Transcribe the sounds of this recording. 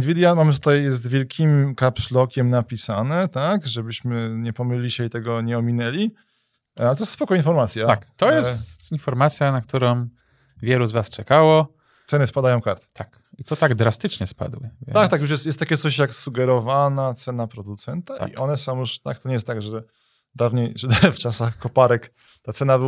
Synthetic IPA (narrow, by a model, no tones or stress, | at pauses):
d̪vʲid̪ʲjamamɘt̪̬ut̪ajːɛs̬t̪vʲjɛlkʲʰimkapʂlɔkʲɛmnapʲisanɛt̪akʐɛbɘɕmɘɲɛpɔmɘlʲːiɕɛit̪ɛɡɔɲɛɔmʲinɛlʲi | alɛt̪ɔjsspɔkɔinfɔɾmat̪sʲjaakt̪ɔjɛst̪t̪infɔɾmat̪sʲjanak̚t̪uɾɔm | vʲjɛluzvast͡ʂɛkawɔ | t̪sɛnɘspad̪ajɔ̃w̃kaɾt̪t̪ʰak | it̪ɔt̪aɡd̪ɾast̪ɘt͡ʂɲɛspa̰d̪wɘ̰vak̚t̪akjujɛst̪jɛst̪ːakʲɛt̪sɔɕjaksuɡɛɾɔvanat̪sɛnapɾɔd̪ut̪sɛnt̪aʔḭʔɔnɛsɔ̃w̃juʂt̪a̰k̚t̪ɔɲɛjɛst̪aɡʐɛ | d̪avɲejʐɛft͡ʂasaxkɔpaɾɛk | t̪at̪sɛna